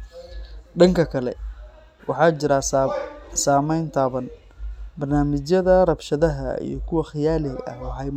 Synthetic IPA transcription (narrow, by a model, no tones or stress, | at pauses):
ɖɐŋkʰɐkʰɐlɛ̰ | wɑ̰ħɑːt͡ʃɪɾa | saːmɛjnt̪ʰaːβɐn | bɐrnaːmɪt͡ʃjɐðɐrɐbʃɐðɐɦɐ̰ḭjɞkʰʊwɐχɪjaːlɪɡɐ̰ɦɔːɦɐjm